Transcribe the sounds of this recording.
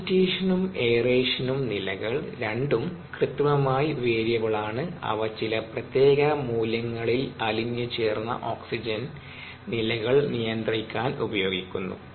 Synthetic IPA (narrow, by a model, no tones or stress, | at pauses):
tːeːʂɐnume̞ːreːʂɐnumnilɐɣɐɭɾeɳɖum | krɨt̪ːʋɐmaːjiʋeːɾjɐʋɐɭaːɳɨɐ̰ʋɐt͡ɕːilɐprɐt̪je̞ːɣɐmuːlɐŋːɐɭilɐliɲːɨt͡ɕe̞ːrnːɐ̰ʔoːksid͡ʑɐn | nilɐɣɐɭnijɐnd̪rikʲːaːnubɐjo̞ːɡikʲːunːṵ